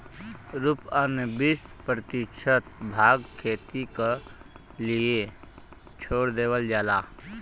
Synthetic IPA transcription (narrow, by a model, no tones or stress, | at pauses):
ɾupənbispɾət̪ɪkʃʰət̪̚bʱaːɡkʰeːt̪ike | lie | t͡ʃʰoːɽd̪eːwəld͡ʒaːlaː